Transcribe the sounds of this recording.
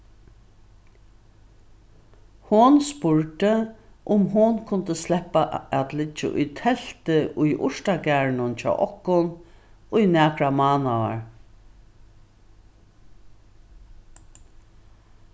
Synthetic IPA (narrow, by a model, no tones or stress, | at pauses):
hʊnspʊɹʈ̪əʔʊmɦʊnkʰʊnt̪əslɛhpːaʔæt̪lɪt͡ʃːɪ̰ʔʊ̰jt̪ʰɛl̥t̪ɪʔʊjʔʊ̰ʂt̪aɡæːɹnʊnt͡ʃʰɔ̰ːʔɔhkːʊnʊjnæːkɹamaːnaʋa̰ɹ